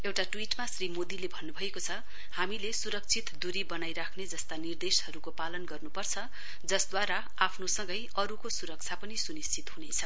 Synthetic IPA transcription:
ewʈaʈwiʈmasrimod̪ilebʱʌnːubʱʌekot͡sʰʌ | hamilesuɾʌk̚t͡sʰit̪d̪uɾibʌnajɾakʰned͡zʌst̪anird̪eshʌɾukopalʌnɡʌrnupʌrt͡sʰʌ | d͡zʌsd̪waɾa | apʰnosʌŋɡʌjʌɾukosuɾʌk̚t͡sʰapʌnisunist͡sʰit̪ɦunet͡sʰʌ

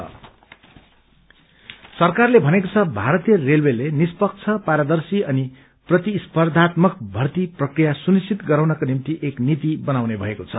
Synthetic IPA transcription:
ʌ̰ | sʌrkarlebʱʌnekot͡sʰʌbʱaɾʌt̪ijʌrelwelenispʌk̚t͡sʰʌpaɾad̪ʌrsiʌni | prʌt̪ispʌrd̪ʱat̪mʌk̚bʱʌrt̪iprʌkrijasunisʰit̪ɡʌɾawnʌkonimt̪iʔeknit̪ibʌnawnebʱʌekot͡sʰʌ

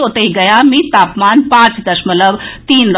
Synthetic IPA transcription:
ot̪əɦiɡɐjaːmit̪aːpmaːnpãːt͡sd̪ɐʃmɐləbt̪iːnɾ

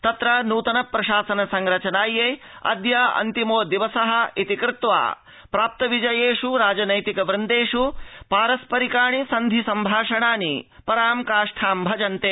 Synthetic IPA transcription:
t̪ɐt̪ɾɐnuːt̪ɐnɐpɾɐʃaːsɐnɐsɐŋɾɐt͡ʃɐnaːjeː | ɐ̰d̪jɐɐ̰nt̪imoːd̪iʋɐsɐɦɐ̆it̪ikɾɪt̪ʋa̰ː | pɾaːp̚t̪ɐʋid͡ʒɐjeːʂuɾaːd͡ʒɐnɐjt̪ikɐʋɾɨnd̪eːʂupaːɾɐspɐɾikaːɳisɐnd̪ʱisɐmbʱaːʂɐɳaːnipɐɾaːmkaːʂʈʰaːmbʱɐd͡ʒɐnt̪eː

